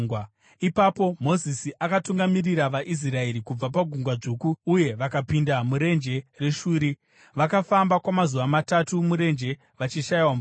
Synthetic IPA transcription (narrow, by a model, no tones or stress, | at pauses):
w | ipapo̞mo̞zisiʔakatuŋɡamiriɾaʋaʔis̬rae̞ɾikub͡vapaɡʱuŋɡwad͡ʐuːkuːje̞ʋakapindamuɾe̞nd͡ʒe̞re̞ʃuːɾi | ʋakafambakwamazuʋamatatumuɾe̞nd͡ʒe̞ | ʋat͡ʃiʃaiwam